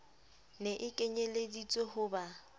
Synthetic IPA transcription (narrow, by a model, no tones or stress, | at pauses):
neʔɪkʼeɲeledit͡sʼɔhʊba